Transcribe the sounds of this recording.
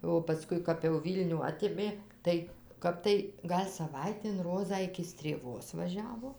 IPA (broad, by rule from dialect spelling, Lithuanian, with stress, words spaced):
oː pɐˈskʊɪ kɐp jɛʊ ˈʋʲiːlʲnʲuː ˈɑːtʲeːmʲeː ˈtɐɪ ˈkɐp tɐɪ ˈɡɐlʲ sɐˈʋɐɪtʲeːn ˈroːzɑː ɪkʲɪ sʲtʲrʲeːˈʋoːs ʋɐˈʒʲæːʋoː